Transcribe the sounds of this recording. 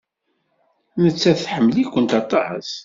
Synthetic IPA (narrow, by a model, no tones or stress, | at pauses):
nət͡sːæθħəmːlikʷːənt̪ɑt̪ˤːɑħə̰s